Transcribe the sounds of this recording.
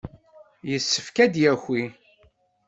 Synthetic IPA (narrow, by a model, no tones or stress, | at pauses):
jəsːəfkæd̪jæxʷi